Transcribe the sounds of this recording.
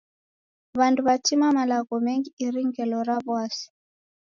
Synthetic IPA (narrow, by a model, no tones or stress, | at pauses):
βanduβatimamalaɣɔmɛŋɡiiɾiŋɡɛlɔɾaβwasi̥